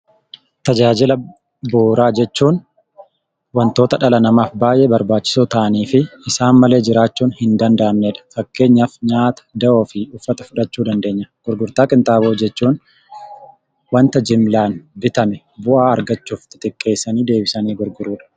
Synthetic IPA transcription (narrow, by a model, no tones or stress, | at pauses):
t̪ɐd͡ʒaːd͡ʒɪlɐ | boːɾaːd͡ʒɛt͡ʃːuːn | wɐnt̪o̞ːt̪ɐᶑɐlɐnɐmaːfbaːjʔɛbɐɾbaːt͡ʃːɪ̥soːt̪ɐʔɐniːfɪɪsaːnmɐle̞ːd͡ʒɪɾaːt͡ʃːuːnhɪnd̪ɐnd̪ɐʔɐmːeːᶑɐ̥fɐkːe̞ːɲːaːfɲaːt̪ɐ̥d̪ɐʔoːfɪʊfːɐt̪ɐ̥fʊᶑɐt͡ʃːuːd̪ɐnd̪e̞ːɲːɐɡ̥ʊɾɡʊɾt̪aːkʼɪnt̪aːboːd͡ʒɛt͡ʃːuːn | wɐnt̪ɐd͡ʒɪmlaːnbɪt̪ɐmɛ | bʊʔaːɐɾɡɐt͡ʃːuːft̪ɪ̥t̪ɪkʼːe̞ːsːɐniːd̪e̞ːbɪsɐniːɡʊɾɡʊɾuːᶑɐ̥